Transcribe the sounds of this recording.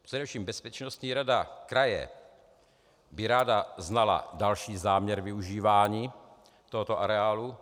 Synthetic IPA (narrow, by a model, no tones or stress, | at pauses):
pr̝̥ɛdɛfʃiːmbɛspɛt͡ʃnost̪ɲiːɾadakɾajɛ̰ | bɪɾaːdaznala̰dalʃiːzaːmɲɛɾvɪuʒiːvaːɲiː | t̪oɦot̪oʔaɾɛaːlu